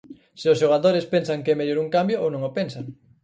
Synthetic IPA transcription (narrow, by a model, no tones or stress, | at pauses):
sɪʊsʃoɣ̞aðoɾɪspensaŋkeɛmeʎoɾuŋkambjoownõŋopensaŋ